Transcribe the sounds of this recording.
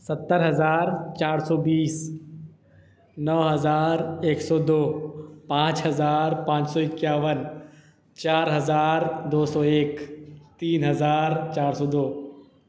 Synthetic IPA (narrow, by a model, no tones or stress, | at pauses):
sɐt̪ːəɾɦɐzaːɾt͡ʃaːɾsɔːbiːs | nəʋɦɐzaːɾeːksɔːd̪oːpãːt͡ʃɦɐzaːɾpãːt͡ʃsɔːɪkjaːʋən | t͡ʃaːɾɦɐzaːɾd̪oːsɔːeːkt̪iːnɦɐzaːɾt͡ʃaːɾsɔːd̪oː